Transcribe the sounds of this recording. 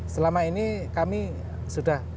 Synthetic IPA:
səlamainikami | suɖ̥ah

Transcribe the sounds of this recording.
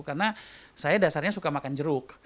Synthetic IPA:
karnasajadasarɲasukamakand͡ʒəɾʊk

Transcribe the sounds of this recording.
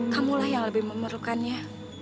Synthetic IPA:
kamulahjaŋləbɪhməməɾlukanɲa

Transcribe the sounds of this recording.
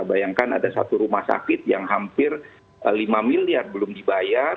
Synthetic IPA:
bajaŋkana̰dasa̰t̪uɾumahsa̰kɪt̪̚ja̰ŋɦampɪr | limamiliarbəlʊmdibaja

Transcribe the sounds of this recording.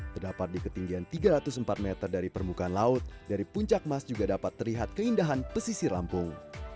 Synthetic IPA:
t̪ərdapat̪̚dikət̪iŋɡiant̪iɡaɾat̪ʊsəmpat̪̚mɛt̪ərdaɾipərmbukaːnlaʊt̪̚daɾipuɲt͡ʃak̚masd͡ʒuɡadapat̪ːərliɦat̪̚kəindaɦanpəsisila̰mpʊŋ

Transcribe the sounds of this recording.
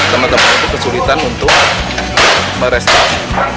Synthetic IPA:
t̪əmət̪əmat̪ukəsulit̪anunt̪ʊk̚ | məɾɛst̪ɾiksi

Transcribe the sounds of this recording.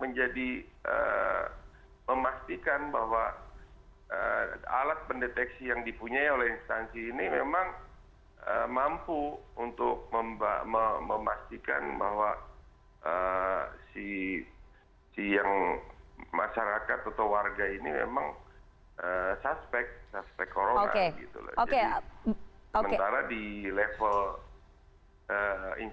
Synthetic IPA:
məɲd͡ʒadiʔə̰ | məmast̪ikanbahwa | əa̰lat̪̚pəndet̪ɛksijaŋdipuɲaiolɛhinst̪ansiːnimemaŋ | ə̰mampuunt̪ʊk̚məmb̰məməmast̪ika̰nbaɦwa | ʔəsi | sijaŋ | maʃaɾakat̪at̪awwarɡainimḛmaŋ | əsaspɛk̚saspɛkːoɾoona̰eɡḭt̪ṵla̰od͡ʒaed | səmənt̪aɾadilefəl | ʔəḭn

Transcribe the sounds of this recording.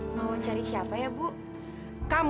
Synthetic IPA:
mawat͡ʃaɾisiapajabu | kam

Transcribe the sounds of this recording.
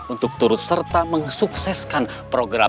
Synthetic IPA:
unt̪ʊk̚t̪uɾʊt̪̚sərt̪aməŋsuksɛskan | pɾoɡɾa̰

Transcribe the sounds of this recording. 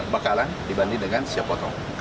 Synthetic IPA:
bakalandibandidəŋansiapɔt̪ɔ | k

